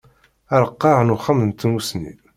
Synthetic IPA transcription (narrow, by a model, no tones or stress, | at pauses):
æɾəqːɑʕnuχəmnt̪ːmusnḭ